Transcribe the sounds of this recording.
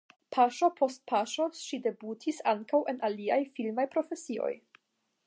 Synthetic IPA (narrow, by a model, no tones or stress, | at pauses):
pʰaʃo̞pʰo̞st̚pʰaʃoʃide̞butʰisaŋkawʔe̞naliajfilmajpɾo̞fe̞sio̞̰j